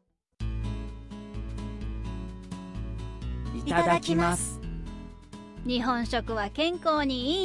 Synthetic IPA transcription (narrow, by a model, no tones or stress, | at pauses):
it̪ad̪akʲimasɨ̥ | ɲ̟iɦõ̞ɰ̃ɕo̞kɯ̟βakẽ̞ŋko̞ːɲ̟iiː